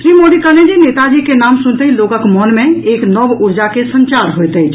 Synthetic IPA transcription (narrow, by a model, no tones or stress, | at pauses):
sɾimoɽikəlẽnd͡ʒinet̪ad͡ʒikenamsunt̪əilokəkmɔnmẽeknɔbuɾd͡ʒakesənt͡ʃaɾɦojt̪ət͡ʃʰ